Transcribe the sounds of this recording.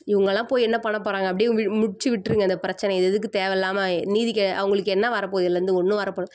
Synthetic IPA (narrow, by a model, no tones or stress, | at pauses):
ɪʋɐŋɡɐlãːpoːjɛnːɐpɐɳːɐpːoːɾaːŋɡɐpːɐɽɪʋɪmʊɽɪt͡ʃːɯʋɪʈːɾɯŋɡɐnd̪ɐpɪɾɐt͡ʃːɐnɛɪðɛðɯkːɯt̪eːʋɛlːaːmɐniːðɪkːɛʔɐ̰ʋɐŋɡɐɭɯkːɯɛnːɐʋɐɾɐpoːjɪlːɐɾɯnd̪ɯɔnːɯ̃ʋɐɾɐpːoːɽɯ̃